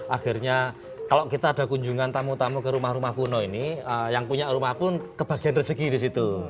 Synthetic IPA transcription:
ʔaxirɲa | kaloʔkit̪aːd̥a̤kuɲd͡ʒuŋant̪amut̪amukəɾumahɾumahpunɔiniəjaŋpuɲaʔrumahpʊnkəb̥a̤ɡ̥i̤anrəsəkidisit̪u

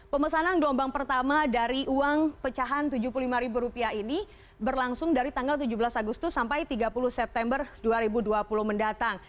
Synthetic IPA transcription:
pəməsananɡəlɔmbaŋpərt̪amadaɾiʔuaŋpət͡ʃaɦant̪ud͡ʒuhpululimaɾibuɾupiaini | bərlaŋsʊŋdaɾit̪aŋɡalt̪ud͡ʒubəlasaɡust̪ʊsːampajt̪iɡapulʊhsɛp̚t̪ɛmbərduaɾibuduapulʊhməndat̪aŋ

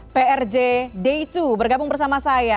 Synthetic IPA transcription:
peɛrd͡ʒedeit̪ubərɡabʊŋbərsamasaja

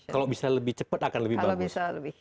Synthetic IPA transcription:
kalobisaləbɪht͡ʃəpət̪akanləbihbabisaləbi

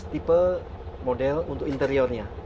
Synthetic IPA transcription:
t̪ipə | modɛlunt̪ʊkint̪əɾiɔrɲa

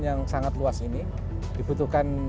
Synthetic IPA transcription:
jaŋsaŋat̪luasini | d̥ib̥ut̪uhkan

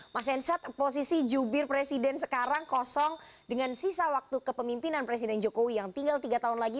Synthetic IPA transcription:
masɛnsat̪̚pos̬isid͡ʒubɪrpɾesidɛnsə̥kaɾaŋkɔsɔŋ | dəŋansisawak̚t̪ukəpəmimpinanpɾes̬idɛnd͡ʒokowijaŋt̪iŋɡalt̪iɡat̪aɦunlaɡi

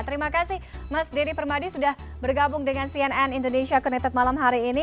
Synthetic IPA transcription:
t̪əɾimakasɪhmasdiɾipərmadisudah | bərɡabʊŋdəŋansiɛnɛnindonesiakənɛt̪at̪̚malamɦaɾiːni

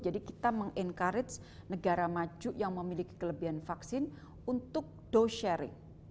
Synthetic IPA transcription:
d͡ʒadikit̪aməŋʔɛnkaɾɪt̪snəɡaɾamad͡ʒuʔjaŋməmiliki̥kələbiɦanfaksɪn | unt̪ʊk̚d̥oʃɛɾɪ̰ŋ

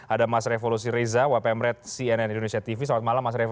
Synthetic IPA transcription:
ʔadamasɾefolus̬iɾezawapɛmɾɛt̪̚siɛnɛnindonesiat̪ifisawat̪̚malamːasɾe

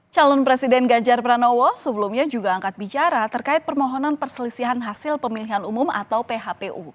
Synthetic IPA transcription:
t͡ʃalɔnpɾesidɛnɡaɲd͡ʒarpɾanɔwɔsəbəlumɲad͡ʒuɡaːŋkat̪̚bit͡ʃaɾat̪ərkaɪt̪̚pərmɔɦɔnanpərsəlisiɦanɦasɪlpəmiliɦanumʊma̰t̪awpeɦapeʔu

